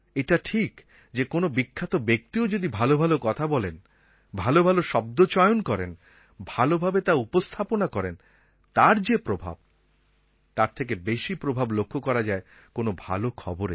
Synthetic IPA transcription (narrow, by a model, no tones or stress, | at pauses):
eʈaʈʰik | d͡ʑekonobikʰːat̪obek̚t̪iod͡ʑod̪ibʱalobʱalokɔt̪ʰabɔlen | bʱalobʱaloʃɔb̚d̪ot͡ɕɔeonkɔɾḛn | bʱalobʱabet̪aupost̪ʰaponakɔɾen | t̪aɾd͡ʑepɾobʱa̰b̚ | t̪aɾt̪ʰek̬ebeʃipɾobʱablokʰːokɔɾad͡ʑae | konobʱa̰lokʰɔ̰boɾḛ